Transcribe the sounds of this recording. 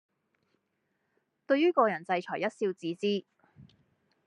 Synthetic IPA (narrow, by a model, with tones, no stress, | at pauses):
t̪ɵ˧ɥjɥyː˥kɔː˧jɐ˨˩nt͡sɐ˧jt͡ʃʰɔː˨˩jɐ˥t̚siː˧wt͡siː˨˥t͡siː˥